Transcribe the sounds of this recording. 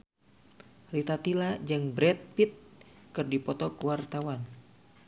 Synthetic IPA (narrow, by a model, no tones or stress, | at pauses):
rit̪at̪ilad͡ʒɨŋbɾɛt̪̚pit̪̚kɨrdipɔt̪ɔkuwart̪awan